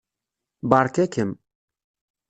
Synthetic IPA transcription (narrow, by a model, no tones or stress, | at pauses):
baːɾkɛkʰɪm